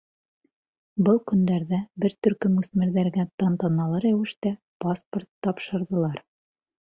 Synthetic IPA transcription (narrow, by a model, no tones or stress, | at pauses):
bɤlˠkɵ̆nd̪æɾðæbɘɾt̪ɵ̆ɾkɘmʉsmɘ̆ɾðæɾɡæt̪ɑnt̪ɑnɑlˠɑɾæwɘ̆ʃt̪æ | pasport̪ːɑpʃɤ̆ɾðɤ̆lˠɑɾ